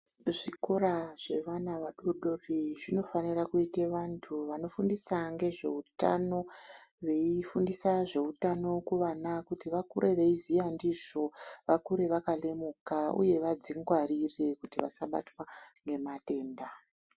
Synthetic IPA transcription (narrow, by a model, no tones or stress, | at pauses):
ʐikoɾaʐe̞ʋanaʋaɗoɗoriʐino̞fanirakuiteʋantʰuʋano̞fundisaŋɡe̞ʐe̞̰uta̰no̞ʋeifundisaʐe̞utano̞kuʋanakutiʋakuɾe̞ʋe̞izijandiʐo̞ʋakuɾe̞ʋakalemukaṵje̞ʋad͡ziŋɡwarire̞kutiʋa̰saɓa̰twaŋɡe̞mate̞ːnda